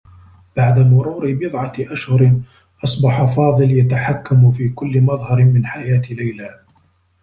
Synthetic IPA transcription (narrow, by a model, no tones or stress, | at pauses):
b̥aʕd̪amʊɾuːɾɪbɨðˤʕɑʔaʃhʊɾɪ | ʔɑsˤbɑħafɑːðˤɨljat̪aħakːamfiːkʊlːɪmɑðˤhɑɾmɪnħajaːt̪ɪlajlaː